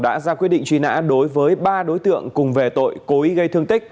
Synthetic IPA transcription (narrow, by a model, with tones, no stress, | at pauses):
ɗa̰ː˧˥zaː˧kwt̚ɗḭ˧˨ŋt͡ɕwi˧˦na̰ː˧˥ɗo˨˦jvəː˨˦jɓaː˧ɗo˨˦jt̪ɨ̰˧˨əŋkʊ˨˩ŋ͡mve˨˩t̪o̰˧˨jko˨˦i˨˦ɣə˧jt̪ʰɨ˧əŋt̪ï˦˥k̚